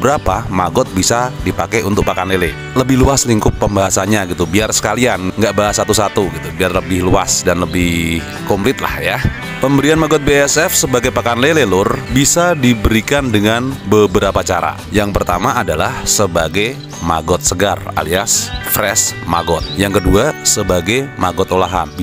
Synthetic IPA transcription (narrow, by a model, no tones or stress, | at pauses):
əbəɾapamaɡɔt̪̚bisadipakɛunt̪ʊk̚pakanlele | ləbɪhluasliŋkʊp̚ːəmbaɦasaɲaɡit̪ubiarsə̥kalianŋɡaʔbaɦasat̪usat̪uɡit̪ubiarləbɪhlua̰sdanləbɪh | kɔmplɪt̪la̰hja | pəmbəɾianmaɡɔt̪̚beɛsɛfsəbaɡajpakanlelelʊrbisadibəɾikandəŋanbəbəɾapat͡ʃaɾa̰ | jaŋpərt̪amaːdalahsəbaɡaj | ma̰ɡɔt̪̚səɡara̰liasfɾɛsma̰ɡɔt̪̚jaŋkəduasəbaɡajmaɡɔt̪olaɦa̰mb